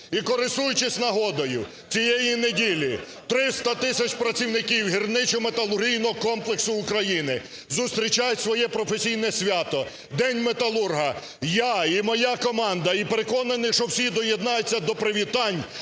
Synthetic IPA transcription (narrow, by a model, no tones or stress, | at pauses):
ikɔɾɪsujʊt͡ʃɪsʲnɐɦɔd̪ɔjʊ | t͡sʲijejinedʲilʲi | t̪ɾɪst̪ɐt̪ɪsʲɐt͡ʃpɾɐt͡sʲiwnɪkʲiwɦirnɪt͡ʃʊmet̪ɐlˠʊrɦʲijnɔɦɔkɔmplˠeksʊːkɾɐjinɪ | zʊst̪ɾʲit͡ʃɑjʊsʋɔjɛpɾɔfesʲijnɛsʲʋʲɑt̪ɔ | d̪ɛnʲmet̪ɐlˠurɦɐ | jaimɔjakɔmɑnd̪ɐipeɾekɔnɐnɪʃɔwsʲid̪ɔjed̪nɑjʊt͡sʲːɐd̪ɔpɾɪʋʲit̪ɑnʲ